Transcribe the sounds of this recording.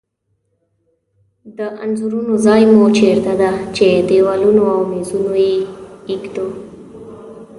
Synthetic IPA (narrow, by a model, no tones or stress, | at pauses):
d̪əʔanzuɾunozɑjmot͡ʃeɾd̪ad̪at͡ʃed̪ewalunoawmezunojeikd̪o